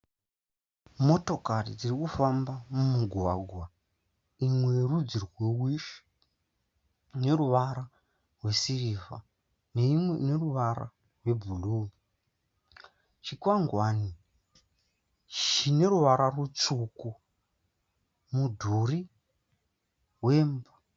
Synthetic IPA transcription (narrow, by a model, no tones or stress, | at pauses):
mo̞to̞karid͡zirikufambamumuɡʱwaːɡʱwa | imwe̞rud͡zirwewiʃi̥ | ne̞ruʋaɾa | rwe̞siriːva̰ | neneruʋaɾa̰ | rwe̞bʱuluːmi | t͡ʃikwaŋɡwani | t͡ʃine̞ɾuʋaɾarut͡suku | mudʱuri | ɦweːmba